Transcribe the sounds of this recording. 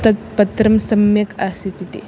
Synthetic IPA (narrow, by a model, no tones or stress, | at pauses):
t̪ɐt̪̚pɐt̪ɾɐmsɐmjɐkʰasit̪it̪ḭ